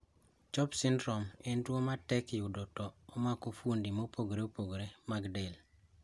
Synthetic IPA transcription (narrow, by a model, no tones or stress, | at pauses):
t͡ʃɔpsɪndɾɔmendwomatɛkjudɔtɔːmakofundimopoɡɾeopoɡɾemaɡdel